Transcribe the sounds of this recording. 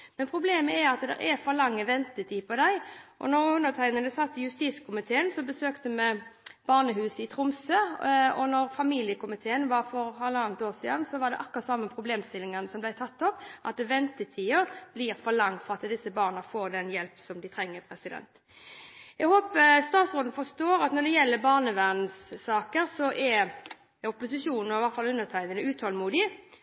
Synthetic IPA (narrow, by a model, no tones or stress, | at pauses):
mɛnpʰɾʊbleːməɛɾɑt̪d̪ɛ̰ɾʔɛfɔlɑŋːəʋɛnt̪ət̪ʰiːpʰɔd̪æɪʔɔ̰nɔɾʉnːət̪ʰæɪnəd̪ɛsɑt̪ːəjʉst̪iːskʰʊmɪt̪ʰeːənsɔbəsøːkt̪əmɛb̥ɑːʁnəhʉːsəɪt̪ʰɾʊmsøːɔnɔʁfɑmiːlɪəkʊmɪt̪ʰeːənʋɑɾfɔɾɑlːəɑːnnt̪oːʁsiːd̪ɑnsɔʋɑd̪ɛ̰ʔɑkːʁɑt̪sɑmːəpʰɾʊbleːmst̪ɪlɪŋɑnəsɔmblæɪt̪ʰɑt̪ːɔpʔɑt̪̚d̪ɛʋɛnt̪ət̪ʰiːəb̥liːɾfɔlɑŋfɔʁɑt̪d̪ɪsːəbɑːʁnəfoːɾd̪ɛnjɛlpsɔmd̪ɪt̪ʰɾɛŋːəpʰɾɛsɪd̪ɛ̰nt̪ | ɛɡhoːpəst̪ɑːt̪sʁoːd̪n̩fɔst̪oːɾɑt̪nɔd̪ɛjɛlːəbɑːʁnəʋæʁn̩sːɑːkəɾsɔʔɛ | ɔpːʊsɪʂuːnn̩ɔɪʋɑt̪fɑlʉnːət̪ʰæɪnənəʉːt̪ʰhɔlmuːd̪ɪ